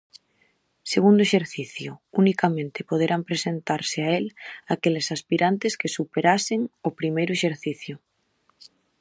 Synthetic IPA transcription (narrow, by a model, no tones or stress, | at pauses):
seɣ̞und̪oeʃe̞ɾθiθjounikamẽnt̪epoð̞eɾampɾesent̪aɾseaelakelesaspiɾʔant̪e̞ske̞supeɾase̞ŋopɾimejɾoeʃeɾθiθju